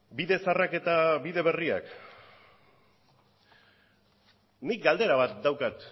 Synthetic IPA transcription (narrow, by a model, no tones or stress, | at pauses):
biðe̞sarake̞t̪aβiðe̞βeria̰k | nik̚ɡald̪e̞ɾaβat̪̚d̪awkat̪